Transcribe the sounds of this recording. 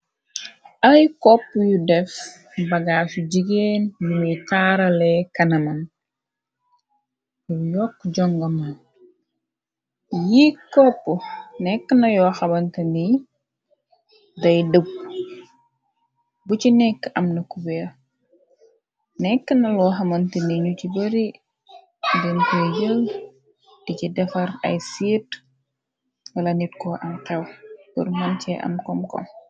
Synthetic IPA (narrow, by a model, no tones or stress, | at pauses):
ɐjkɔpːjudɛf | bɐɡaːsuɟiɡeːnjumijtaːɾɐlɛkɐnɐmɐn | jujɔkːɟɔŋɡɐmɐn | jikɔpːənɛkːənɐjɔːxɐbɐntɐli | dɐjdəb̚ | bucinɛkːʔɐmnɐkubɛ | nɛkːənɐlɔːxɐmɐntəniɲucibəɾi | dɛntɔjəl | d̥icidɛfɐrɐ̰jsiːt | wɐlɐnitkɔʔɐnqɛwpurmɐncɛʔɐ̰mkɔmkɔ̰m